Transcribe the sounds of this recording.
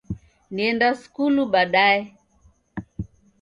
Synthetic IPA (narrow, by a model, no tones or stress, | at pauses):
niɛndasu̥kuluɓaɗaɛ